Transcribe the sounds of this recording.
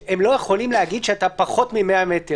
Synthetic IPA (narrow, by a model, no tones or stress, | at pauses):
emlo̞jeχo̞limleaɡid̪ʃeatapaχo̞t̪mimeamet̪e